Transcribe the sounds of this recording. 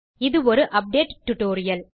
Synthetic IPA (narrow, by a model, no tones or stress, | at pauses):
ɪðɯɔɾɯʔɐp̚ɖeːʈʈːʊʈːoːɾɪjɐl